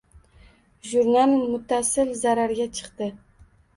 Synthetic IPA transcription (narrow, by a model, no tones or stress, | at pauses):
ʒuɾnalmʊt̪ʰːasɪlzaɾaɾɡʲat͡ʃʰɨ̥qt̪ɪ